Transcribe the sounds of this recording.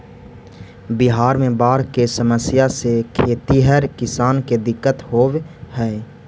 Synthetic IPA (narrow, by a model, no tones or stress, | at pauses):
bɪɦaːɾmẽbaːɾkesəməsjasekʰeːt̪iɦəɾkɪsaːnked̪ɪkːət̪hoːwɦɛː